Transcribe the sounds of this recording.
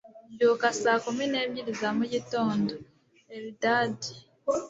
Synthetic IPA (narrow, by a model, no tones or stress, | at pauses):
ɟokasakomine̞ːβjiɾizamuɟitoːndo | eβidaːdi